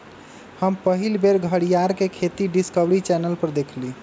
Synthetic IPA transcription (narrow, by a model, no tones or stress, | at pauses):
həmpəɦilbʱeɾɡʱəɽijaɾkekʰet̪iɖiskəbɾit͡ʃɛnəlpəɾd̪ekʰli